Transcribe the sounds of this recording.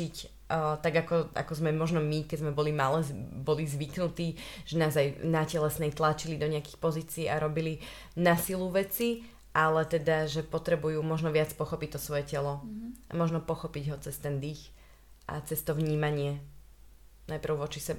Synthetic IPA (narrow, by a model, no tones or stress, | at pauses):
icː | t̪aɡakɔa̰kɔzmɛmɔʒnɔmikɛzmɛbɔlimalɛbɔlizʋiknut̪iːʒ̥ɛnaːɔzajnacɛlɛsnɛjt̪lat͡ʃilid̪ɔɲɛaki̥xpɔziːt͡siiːaɾɔbili | nasiluʋɛt͡si | ʔalɛt̪ɛd̪aʒɛpɔt̪ɾɛbujuːmɔʒnɔʋat͡spɔxɔpic̚t̪ɔsʋɔjɛcɛlɔamɔʒnɔpɔxɔpiɟɦɔt͡sɛst̪ɛnd̪ix | ʔa̰t͡sɛst̪ɔʋɲiːmaɲɪɛ | najpr̩ʊʋɔt͡ʃisɛba